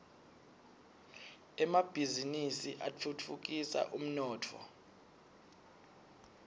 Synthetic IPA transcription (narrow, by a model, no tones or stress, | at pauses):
ɛmab̥ʱizinisiʔat͡fʰut͡fʰuk̬ʼisa̰ʔum̩nɔːtʰɔ̰